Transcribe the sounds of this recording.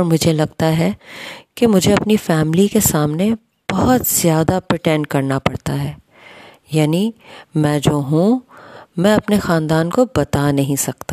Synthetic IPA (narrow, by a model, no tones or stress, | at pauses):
ɾmʊd͡ʒʱelɐɡt̪aɦɛkemʊd͡ʒʱeɐpnifɛːmlikesaːmne | b̥ɐɦɔt̪z̥jaːd̪apɾɪʈɛ̃ɳɖ̚kɐɾnapɐɽt̪aɦɛː | jaːnimɛ̃ːd͡ʒoːɦũmɛ̃ɐpnexaːnd̪aːnkobɐt̪anɐɦĩsɐk̚t̪a